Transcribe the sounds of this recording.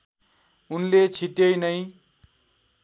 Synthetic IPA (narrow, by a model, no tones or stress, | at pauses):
unlet͡sʰiʈjʌjnʌj